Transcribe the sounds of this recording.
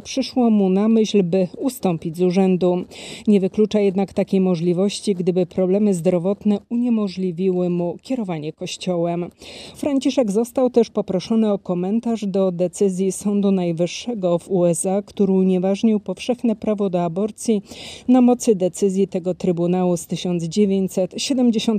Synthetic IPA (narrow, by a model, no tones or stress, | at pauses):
pʂɘʂwɔmunamɘɕlbɘust̪ɔmpʲid͡ʑzuʐɛnd̪uɲɛvɘklut͡ʂajɛd̪nakt̪akʲejmɔʐlʲivɔɕt͡ɕiɡd̪ɘbɘpɾɔblɛmɘzd̪ɾɔvɔt̪nɛuɲɛmɔʐlʲivʲiwɘmukʲɛɾɔvaɲɛkɔɕt͡ɕɔwɛmfɾaɲt͡ɕiʂɛɡzɔst̪awt̪ɛʂpɔpɾɔʂɔnɘɔkɔmɛnt̪aʐd̪ɔd̪ɛt̪sɘzʲjisɔnd̪unajvɘʂːɛɡɔvuɛsakt̪uɾɘuɲɛvaʐɲiwpɔfʂɛxnɛpɾavɔd̪ɔabɔɾt̪sʲjinamɔt̪sɘd̪ɛt̪sɘzʲjit̪ɛɡɔt̪ɾɘbunawust̪ɘɕɔnd̪zd͡ʑevʲjeɲt͡ɕsɛt̪ɕɛd̪ɛmd͡ʑeɕɔn